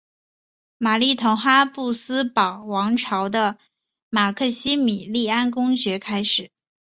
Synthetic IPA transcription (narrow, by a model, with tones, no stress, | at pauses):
ma˨˩li˥˩t̪ʰʊ˧˥ŋxa˥pu˥˩sɹ̩˥pɑ˨˩ʊwɑ˧˥ŋʈ͡ʂʰɑ˧˥ʊd̪ə˧ | ma˨˩kʰɤ˥˩ɕi˥mi˨˩li˥˩a˥nkʊ˥ŋɕɥɛ˧˥kʰa˥ɪʂɻ̩˨˩˦